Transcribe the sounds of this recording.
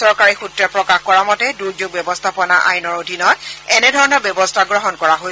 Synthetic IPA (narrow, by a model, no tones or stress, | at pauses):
ɔɹkaɹixutɹɛpɹɔkaxkɔɹamɔtɛduɹd͡ʒoɡ̚bjɛbɔstʰapɔna̰ʔa̰jnɔɹodʱinɔtɛnɛdʱɔɹɔnɔɹbjɛbɔstʰaɡɹɔɦɔnkɔɹaɦo